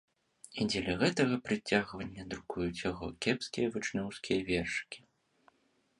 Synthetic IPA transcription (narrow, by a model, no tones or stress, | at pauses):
id͡zʲɛlʲɐɣɛt̪ɐɣɐpɾɨt͡sʲːaɣvɐnʲːɐd̪ɾukujut͡sʲjɐɣɔ̰kʲɛpskʲijɐvɨt͡ʂnʲɔwskʲijɐvʲɛrʂɨ̥kʲi̥